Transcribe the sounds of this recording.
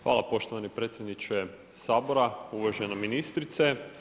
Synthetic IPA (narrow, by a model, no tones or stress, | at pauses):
xʋa̰ːlˠapo̞ʃt̪oʋanipɾe̞ːt̪sjed̪nit͡ʃe | saːboɾauʋaʒenaminist̪ɾit̪se